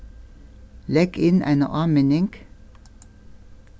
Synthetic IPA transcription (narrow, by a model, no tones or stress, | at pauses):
lɛɡɪnæ̰ɪnə̰ʔɑːmeːnɪŋɡ̥